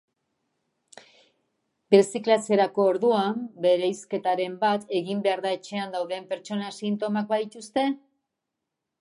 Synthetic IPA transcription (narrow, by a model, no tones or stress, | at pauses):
beɾsiklase̞ɾako̞ːɾðuambe̞ɾejske̞t̪aɾe̞mbat̪e̞ɣimbe̞aɾðae̞t͡ʃe̞and̪awðe̞mpe̞ɾt͡ʃo̞nasint̪o̞mak̚baðit̪ust̪e̞